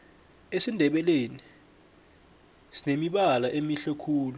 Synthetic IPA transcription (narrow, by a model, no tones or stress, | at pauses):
esindʱɛɓɛleni | sinemiɓalaʔemiɬɛkʰuːlu